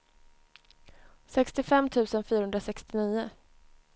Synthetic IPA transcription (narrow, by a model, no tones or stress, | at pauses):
sɛkst̪ɪfɛmːt̪ʰʉ̟ːsənfyːɾaɵnd̪ɾasɛkst̪ɪniːʊ